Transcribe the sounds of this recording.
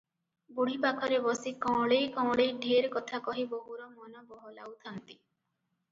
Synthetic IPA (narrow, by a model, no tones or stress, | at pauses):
buɽ̤ipakʰɔɾebɔsikɔ̃wɭejkɔ̃ɭejɖʱeɾkɔt̪ʰakɔɦibɔɦuɾɔmɔnɔbɔɦɔlawt̪ʰant̪i̥